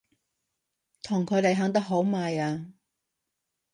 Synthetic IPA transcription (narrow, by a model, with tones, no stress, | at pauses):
t̪ʰʊ˨˩ŋkʰɵ˨˧ɥle˨jɦɐː˨˥ŋt̪ɐ˥k̚ɦo˨˥wmaː˧jaː˧